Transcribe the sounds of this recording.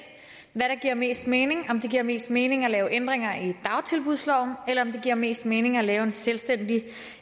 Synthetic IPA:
ʋæɾ̥ɑ̈ɡ̥iɐ̰me̝̰ːsd̥me̝ːne̝ŋɒ̽md̥e̝ɡ̥iɐ̰me̝̰ːsd̥me̝ːne̝ŋælɛːʊʔend̥ʁeŋ̰ɐid̥ɑ̈ʊt͡sʰe̝lb̥uð̞̰ˠslɒʊ̰n̩elɐɒ̽md̥e̝ɡ̥iɐ̰me̝̰ːsd̥me̝ːne̝ŋælɛːʊe̝nselsd̥en̰d̥i

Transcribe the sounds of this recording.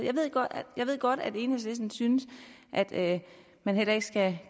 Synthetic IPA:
jɑ̈ɪʋe̝ð̰ˠɡ̥ɒdjɑ̈ʋe̝ð̞̰ˠɡ̥ɒ̽ɾ̥æd̥e̝ːnhe̝̰sʋe̝sn̩synəs | ʔæd̥ø | mænɦel̰ɐe̝ɡ̥sɡ̥æ

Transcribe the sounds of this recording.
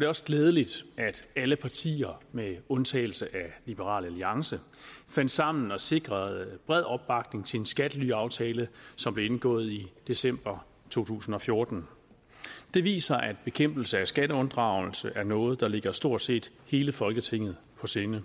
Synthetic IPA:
ɒ̽ɾ̥e̝ɒ̽sɡ̥leːð̞ˠəlid̥ʔæd̥æləpʰɑ̈t͡sʰḭːɐmeɔ̽nt͡sʰɛ̰ːɪl̩səʔælib̥əʁɑ̰̈ːlæliɑ̈ŋsə | fæn̰d̥sɑ̈m̰n̩ɒ̽se̝ɡ̥ʁɐð̩ˠb̥ʁɛð̞̰ˠɒ̽b̥ːɑ̈ɡ̥ne̝ŋt͡sʰe̝ensɡ̥æd̥əlyɑ̈ʊt͡sʰɛːləsɒmb̥le̝e̝nɡ̥ɔ̰̽ːð̞̩ˠid̥e̝sem̰b̥ɐ | t͡sʰo̝̰ːt͡sʰṵːsn̩ɒ̽fjo̝ɐd̥n̩ | d̥e̝ʋḭːsɐʔæd̥̚b̥e̝kʰem̰b̥l̩səæsɡ̥æɾəɔ̽nd̥ʁɑ̈ʊ̰l̩səʔæɐnɔ̽ːð̞̩ˠd̥ɑ̈le̝ɡ̥ɐsd̥o̝ɐ̰d̥se̝̰ːd̥ | he̝ːləfɒ̽lɡ̥ət͡sʰeŋ̰ð̞̩ˠ | pʰɒ̽senə

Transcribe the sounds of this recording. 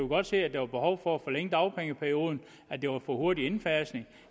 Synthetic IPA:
joɡ̥ɒ̽d̥se̝̰ːæd̥eʋɑ̈b̥e̝hɒʊ̰fɒ̽æfɒ̽leŋ̰d̥ɑ̈ʊpʰeŋəpʰæɐio̝ːð̞ˠn̩ | æd̥e̝ʋɑ̈fɒho̝ɐɾien̩fæɐsne̝ŋ

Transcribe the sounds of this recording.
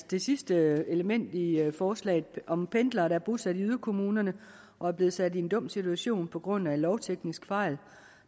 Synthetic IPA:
d̥e̝sisd̥əe̝ləmen̰d̥ifɒːslɛ̰ɪð̩ˠʔɒ̽mpʰend̥lɐːɾææɐb̥ʁuðˠsæd̥iyðˠɐkʰo̝muːnɐnə | ʔɒ̽æɐb̥le̝ːð̞̩ˠsæd̥ie̝nd̥ɔ̽m̰sit͡sʰuæɕo̝̰ːnpʰɒ̽ɡ̥ʁɔ̽n̰ælɒʊt͡sʰeɡ̥nisɡ̥fɑ̈ɪ̰l

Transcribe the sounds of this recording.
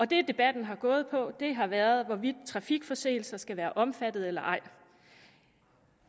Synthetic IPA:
ɒ̽d̥e̝d̥e̝b̥æd̥n̩ɦɑ̈ɡ̥ɔ̽ːð̞̩ˠpʰɒ̽d̥e̝ɦɑ̈ʋæːɐð̞ˠʋɒʋid̥̚t͡sʰʁɑ̈fiɡ̥fɒ̽se̝̰ːl̩sɐsɡ̥æʋæːɐʔɒ̽mfæd̥ð̩ˠelɐʔɑ̈ɪ̰

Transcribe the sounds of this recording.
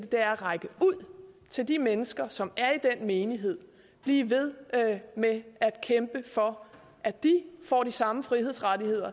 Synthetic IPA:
d̥əd̥e̝æɐʁɑ̈ɪɡ̥əuð̰ˠt͡sʰe̝ld̥imenəsɡ̥ɐsɒ̽mæɐid̥enme̝ːniɦe̝ð̞̰ˠ | b̥liːʋe̝ð̞ˠmeæd̥kʰemb̥əfɒ̽ | ʔæd̥ifɒ̰ːdisɑ̈məfʁihe̝ðˠsʁɑdihe̝ð̞̰ˠɐ

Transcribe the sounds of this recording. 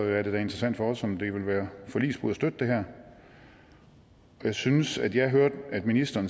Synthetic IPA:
æɐde̝d̥æe̝nd̥ʁɐsæn̰d̥fɒ̽ɒ̽sɒ̽md̥e̝ʋe̝lʋæːɐfɒ̽lḭːsb̥uð̩ˠsd̥ød̥əd̥e̝ɦæɐ̰ | ɒ̽jɑ̈ɪsynəsæd̥jɑ̈ɪɦøɐ̰d̥æd̥minisd̥ɐːn

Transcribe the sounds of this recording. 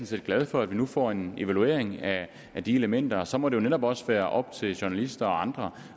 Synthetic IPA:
nse̝ːd̥̚ɡ̥læð̞ˠfɒ̽æd̥ʋinufɒ̰ːe̝ne̝ʋælue̝̰ɐeŋæː | d̥ie̝ləmen̰d̥ɐsɒ̽mɒ̽ɾ̥e̝jo̝neɾɒ̽b̥ɒ̽sʋæːɐʔɒ̽b̥̚t͡sʰe̝lɕuɐnælisd̥ɐɒ̽ɑ̈nd̥ʁɐ

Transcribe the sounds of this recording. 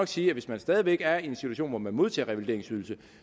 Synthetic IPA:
ɒ̽ɡ̥siːæʋe̝smænsd̥ɛːð̞ˠiʋeɡ̥æɐe̝nsit͡sʰuæɕo̝̰ːnʋɒmænmo̝ð̞ˠt͡sʰɛ̰ːʁɛʋild̥e̝ɐeŋsyðˠl̩sə

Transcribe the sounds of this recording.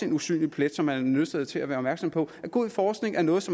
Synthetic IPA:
e̝nusy̰ːnlipʰled̥sɒ̽mhænːøðˠsæðˠt͡sʰe̝læʋæːɐɒ̽mæɐɡ̥sɒ̽mpʰɒ̽æɡ̥oðˠfɒːsɡ̥ne̝ŋʔæɐnɔ̽ːð̞̩ˠsɒ̽m

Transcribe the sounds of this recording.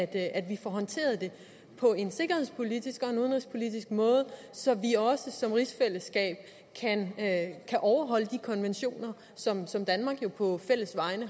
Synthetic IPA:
d̥ʔæd̥ʋifɒɦɒ̽nt͡sʰe̝̰ːɐð̞ˠd̥e̝ | pʰɒ̽e̝nse̝ɡ̥ɐhe̝ð̰ˠspʰo̝lidisɡ̥ɒ̽e̝nuðˠnʁispʰo̝lid̥isɡ̥̚mɔ̽ːð̞̩ˠ | sɒ̽ʋiɒ̽səsɒ̽mʁisfel̰əsɡ̥ɛ̰ːb̥̚ | kʰænkʰæʔɒʊɐɦɒ̽ləd̥ikʰɒ̽nʋenɕo̝̰ːnɐ | sɒ̽msɒ̽md̥ænmɑ̈ɡ̥jo̝pʰɒ̽fel̰əsʋɑ̈ɪnə

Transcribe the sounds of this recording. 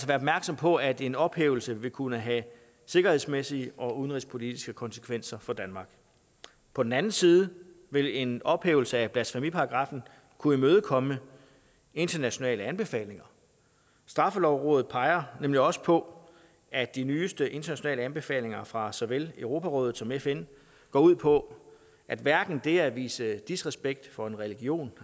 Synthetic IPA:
ælsɒʋæːɐɒ̽bmæɐɡ̥sɒ̽mpʰɒ̽æd̥e̝nɒ̽b̥hḛːʊl̩səʋe̝lkʰunəɦæ | se̝ɡ̥ɐhe̝ð̰ˠsmesiəʔɒ̽uðˠnʁispʰo̝lid̥isɡ̥əkʰɒ̽nsə̥kʰʋen̰sɐfɒ̽d̥ænmɑ̈ːɡ̥ | pʰɒ̽d̥enænn̩siːðˠə | ʋe̝le̝nɒ̽b̥hḛːʊl̩səæb̥læd̥sfæmipʰɑ̈ɑɡ̥ʁɑ̈ːfn̩ | kʰuimøːð̞ˠəkʰɒ̽mə | e̝nd̥ɐnæɕo̝nɛ̰ːləænb̥e̝fɛ̰ːle̝ŋɐ | sd̥ʁɑ̈fəlɒʊʁɔ̽ːð̩ˠpʰɑ̈ɪɐnemliɒ̽sə̥pʰɒ̽ | æd̥inyːsd̥əʔe̝nd̥ɐnæɕo̝nɛ̰ːləænb̥e̝fɛ̰ːle̝ŋɐfʁɑ̈sɒʋeløʊʁo̝ːpʰæʁɔ̰ːð̞̩ˠsɒ̽mefen | ɡ̥ɒ̰ːuð̞̰ˠpʰɒ̽ | ʔæd̥ʋæɐɡ̥n̩d̥e̝æʋḭːsəd̥isʁɛsb̥eɡ̥̚d̥fɒ̽e̝nʁɛliɡ̥jo̝̰ːn

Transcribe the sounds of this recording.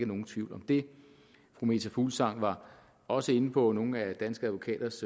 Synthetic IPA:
ɡ̥əno̝ːn̩t͡sʰʋiʊlɒ̽md̥e̝ | fʁume̝t͡sʰæfṵːlsɑ̈ŋ̰ʋɑ̈ | ɒ̽səe̝n̩pʰɒ̽no̝ːn̩æd̥ænsɡ̥əæðˠʋo̝kʰɛ̰ːd̥ɐs

